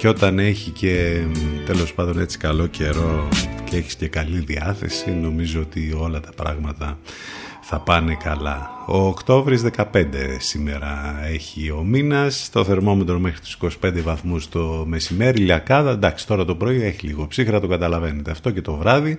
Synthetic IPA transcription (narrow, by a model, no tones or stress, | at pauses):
ceo̞t̪ɐne̞çice̞t̪e̞lo̞spɐnd̪o̞ne̞t͡si̥kɐlo̞ce̞ɾo̞ceeçi̥scekɐliðiɐθe̞̰sino̞mizoot̪io̞lɐt̪ɐ̥pɾɐ̰ɣmɐt̪ɐ | θɐpɐne̞kɐlɐ | o̞ːkt̪o̞vɾizðe̞kɐpe̞nd̪e̞sime̞ɾɐe̞çio̞minɐst̪oθe̞ɾmo̞me̞t̪ɾo̞mexɾit̪u̥si̥ko̞si̥pe̞nd̪evɐθmust̪o̞me̞sime̞ɾiliɐkɐðɐnd̪ɐksi̥t̪o̞ɾɐt̪opɾo̞ioeçiliɣo̞psixɾɐt̪o̞ɡɐt̪ɐlɐve̞net̪eɐft̪o̞ce̞t̪o̞vɾɐði